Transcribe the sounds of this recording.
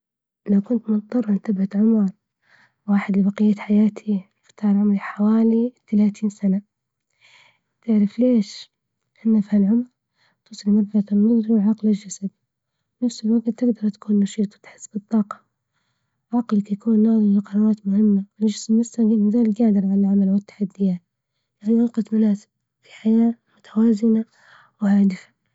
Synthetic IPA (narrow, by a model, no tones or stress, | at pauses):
lawkʊnt̪mʊt̪ˤːɑrˤːʔɪnt̪abʕat̪ʕʊmɑɾˤ | waːħɪd̪libaqɪjːat̪ħajaːt̪ʰiɪft̪ʰːaːʕɾʕʊmɾiħawaːlit̪ːalaːt̪ʰiːnsana | t̪ɪʕɾɪfleːʃ | ʔɪnːafihalʕʊmɾ | t̪uːsˤlmɑɾˤfɑat̪alːʊðˤɾiwʕɑqlad͡ʒasad̪ | bɪnafsɪlwaɡt̪t̪ːɪɡd̪ɑɾˤt̪ḁkuːnːɑʃiːt̪ˤwɪt̪ħɪ̥sːbɨt̪ˤːɑːqɑ̥ | ʕɑqlkajakuːnːaʕðˤɪlɪqɾˤɑɾˤɑːt̪mʊhɪmːawɪld͡ʒɪsmːʊsaɡimːɪzaːlɡaːd̪ɪɾʕalalʕamalwɪt̪ːḁħad̪ːɪjaːt̪ | ʔaʔaniʔɑqɑt̪manaːsɪ̥b̚ | fi̥ħajaːmʊt̪ʰawaːzɪna | wɪhaːd̪ɪfḁ